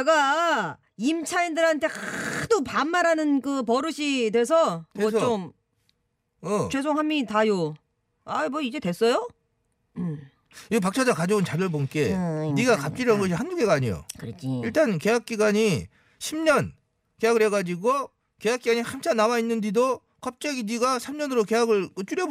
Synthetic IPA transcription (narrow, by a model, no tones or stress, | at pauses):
t͡ɕeɡa | imt͡ɕʰaindɯɾɦantʰe̞kadopamːaɾanɯnkɯpʌɾɯɕʰidwe̞sʰʌʌst͡ɕom | ʌt͡ɕwe̞s̬ʰoŋɦamːitajo | amʌid͡ʑe̞twe̞s͈ʌjo | ɯm | ip̬ak̚t͡ɕʰad͡ʑakad͡ʑount͡ɕabjʌɭbonk͈e̞niɡakap̚t͡ɕ͈iɾʌnɯnɡʌɕ̬ʰihanduɡe̞ɡaːɲijo̰kɯɾʌt͡ɕiiɭt͈anke̞jak̚k͈iɡaɲi | ɕʰimɲʌn | ke̞jaɡɯɭɾɦe̞ɡad͡ʑiɡo | ke̞jak͈iɡaɲihamt͡ɕʰanawainːɯnd͡ʑido | kʌp̚t͡ɕ͈ʌɡiniɡasʰamɲʌnɯɾoke̞jaɡɯɭkɯt͡ɕ͈uɾjʌ